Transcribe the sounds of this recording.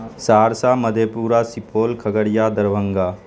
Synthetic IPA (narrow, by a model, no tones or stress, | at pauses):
saːɾsaːməd̪ʱjepuːɾasipoːlkʰɐɡəɾjaːd̪ɐɾʋə̃ŋɡaː